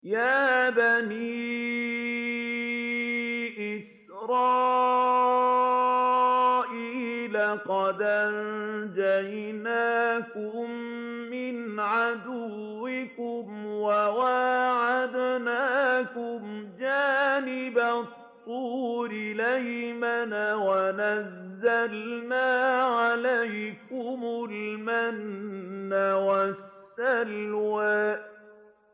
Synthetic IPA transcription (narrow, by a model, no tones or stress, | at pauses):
jaːbaniː | ʔɪs | ɾɑː | ʔiːlaqɑd̪ʔand͡ʒajnaːkʊmː | ɪnʕad̪ʊwːɪkʊmwawaʕad̪naːkʊmd͡ʒaːnɪbat̪ˤːuːɾɪlajmanawanazːalnaːʕalajkʊmʊlmanː | awasːalwaːʔʔ